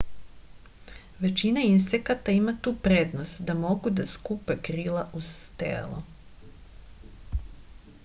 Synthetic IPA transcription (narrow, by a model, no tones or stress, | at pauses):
ʋe̞t͡ʃinainsekat̪aimat̪uːpɾeːd̪nost̪d̪amo̞ɡud̪askupekɾiːlˠaʔust̪ḛːlo̰